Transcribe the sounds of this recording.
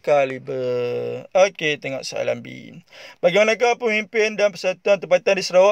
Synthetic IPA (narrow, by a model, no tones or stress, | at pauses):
kalibə | oket̪eŋɔ̰ʔsaa̰la̰mbḭbaɡimanãk̬apəmimpɪndanpəsat̪uant̪əmpat̪andisəɾawa